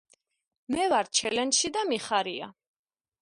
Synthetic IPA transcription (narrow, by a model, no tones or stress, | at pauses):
mɛvaɾt͡ʃʰɛlɛnʃid̪amiχaɾia̰